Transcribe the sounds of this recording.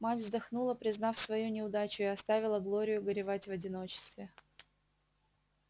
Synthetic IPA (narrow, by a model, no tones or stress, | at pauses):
matʲvzd̪ɐxnulˠəpɾʲɪznɑfsvɐjunʲɪʊd̪at͡ɕʊɪɐst̪avʲɪlˠəɡlˠo̞ɾʲɪjʊɡəɾʲɪvatʲvɐdʲɪno̞t͡ɕɪ̥st̪vʲɪ